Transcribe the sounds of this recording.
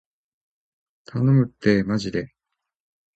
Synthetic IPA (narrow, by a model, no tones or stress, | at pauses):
t̪ʰanomɯ̟t̪ːemaʑid̪e̞